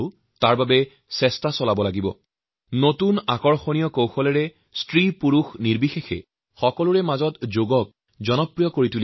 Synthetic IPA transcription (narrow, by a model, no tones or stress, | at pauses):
ʊ | taɹbabɛ | sɛstasɔlabɔlaɡibɔ̰ | notunakɔɹxonijɔkowxɔlɛɹɛ | stɹipuɹuxniɹbixexɛ̰ | xɔkɔlʊɹɛmazɔtzoɡɔk̚ | zɔnɔpɹijɔkoɹituli